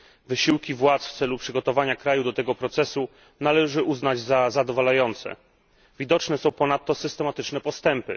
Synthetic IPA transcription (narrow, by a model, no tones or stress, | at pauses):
vɘɕiwkʲivwat̪sft̪sɛlupʂɘɡɔt̪ɔvaɲakɾajud̪ɔt̪ɛɡɔpɾɔt̪sɛsu | nalɛʐɘʔuznad͡ʑzazad̪ɔvalajɔnt̪sɛ̰ | vʲid̪ɔt͡ʂnɛsɔ̃w̃pɔnat̪ːɔsɘst̪ɛmat̪ɘt͡ʂnɛpɔst̪ɛmpɘ̰